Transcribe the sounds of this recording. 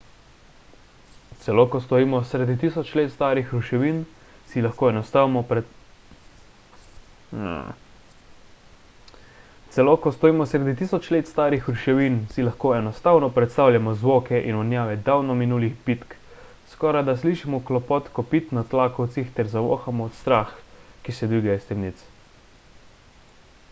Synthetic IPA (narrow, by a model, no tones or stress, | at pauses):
t̪sɛlokɔst̪ɔɾiːmɔsɾɛd̪it̪isɔt͡ʃleːt̪st̪aːɾixɾuʃɛʋin | silaxkoːɛnɔst̪amɔpɾɛ | t̪sɛlokɔst̪ɔɾiːmɔsɾɛd̪it̪iːsɔt͡ʃleːt̪st̪aːɾixɾuʃɛʋinsilaxkoːɛnɔst̪awnɔpɾɛt̪st̪aːwljamɔzʋoːkɛʔinɔnjaːʋɛd̪awnɔminuːlixpit̪k | skɔːɾajd̪as̬liʃimɔklɔpɔt̪kɔpit̪nat̪laːkɔwt̪sixt̪ɛɾzaʋo̰ːxamɔːt̪st̪ɾaːxkisɛd̪ʋiɡajɛst̪ɛmnit̪s